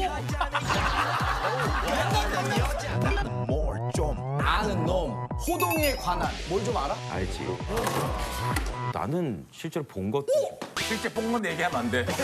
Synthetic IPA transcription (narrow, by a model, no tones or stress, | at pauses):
nanɯnmoɭt͡ɕ͈omanɯnːʌmhodoŋekwananmwʌɭd͡ʑomaɾaa̰ɭd͡ʑḭ | na̰nɯnɕʰiɭt͡ɕ͈e̞ɾopoŋɡʌɕʰiɭt͡ɕ͈e̞p͈oŋmɯnjeɡiɦamannde